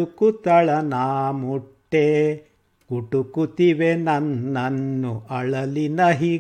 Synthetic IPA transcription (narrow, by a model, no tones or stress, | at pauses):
ukut̪ɐɭɐnaːmuʈːe | kuʈukut̪iʋenɐnːɐnːuʔɐɭɐlinɐɦiː